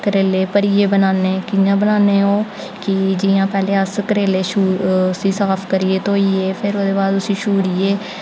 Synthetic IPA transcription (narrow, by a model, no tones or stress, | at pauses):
kəɾeːleːpəɾiːeːbənaːneːkɪjãːbənaːneːɦoː | kɪd͡ʒɪːãːpɛːleːəskəɾeːleːʃuːsĩːsaːpʰkəɾiːeːt̪oːiːeːpʰɪɾoːd̪eːbaːd̪ʊsĩːʃuːɾiːeː